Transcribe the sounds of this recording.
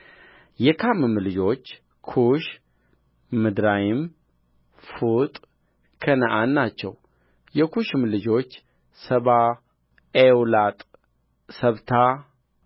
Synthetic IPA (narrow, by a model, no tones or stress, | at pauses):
jɛkʰamɨmlɨd͡ʒo̞t͡ʃː | kʰuʃ | mɨd̪ɾajɪm | fut̪ʼ | kʰənəʔanːat͡ʃːɛ̰w | jɛkʰuʃɨmlɨd͡ʒo̞t͡ʃː | səβa | ewlat̪ʼ | səβt̪ʰa